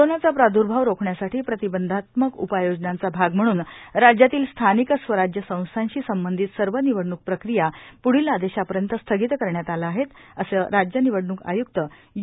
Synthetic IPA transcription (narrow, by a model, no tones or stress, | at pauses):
onat͡sapɾad̪ʱuɾbʱaʋɾokʰɳjasaʈʰiːpɾət̪ibənd̪ʱat̪məkṵpajod͡ʑnant͡sabʱaɡm̤əɽ̃uːnɾad͡ʑjat̪iːlst̪ʰanikəsʋəɾad͡ʑjəsə̃w̃st̪ʰanɕiːsəmbənd̪ʱit̪səɾʋəniʋəɽɳuk̚pɾəkɾijapuɽ̤ilad̪eɕapəɾjənt̪əst̪ʰəɡit̪kəɾɳjat̪alaaːɦet̪əsəɾad͡ʑjəniʋəɽnuːka̰juk̚t̪ə